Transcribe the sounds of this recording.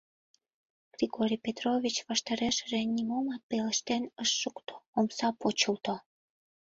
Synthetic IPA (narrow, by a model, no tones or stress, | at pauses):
ɡ̥rʲiɣoɾʲijpet̪rovʲit͡ɕβɑʃt̪ɑɾeʃəʒĕnʲimomɑt̪̚peləʃt̪enəʃːəkt̪o̥omsɑpot͡ɕəlt̪o